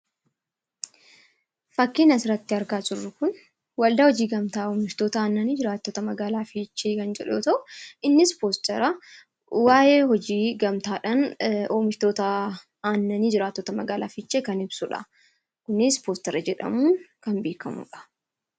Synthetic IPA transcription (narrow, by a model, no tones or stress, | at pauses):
fɐkːiːnɐsɪɾɐt̪ːɪɐɾɡaːsʊrːʊkʊn | wɐld̪ɐːhɔd͡ʒiːɡɐmt̪aːoːmɪʃt̪o̞ːt̪ɐaːnːɐniːd͡ʒɪɾaːt̪ːot̪ɐmɐɡaːlaːfiːt͡ʃːeːkɐnd͡ʒɛᶑo̰t̪ɐʔʊɪnːɪspoːst̪ɛɾɐ | waːje̞ːhɔd͡ʒiːɡɐmt̪aːᶑɐnoːmɪʃt̪oːt̪ɐ | aːnːɐniːd͡ʒɪɾaːt̪ːoːt̪ɐmɐɡaːlaːfɪt͡ʃːeːkɐnɪbsʊᶑɐ̰ | kʊnɪspoːst̪ɛɾɐd͡ʒɛᶑɐ̰muːŋkɐnbeːkɐmṵːᶑɐ̥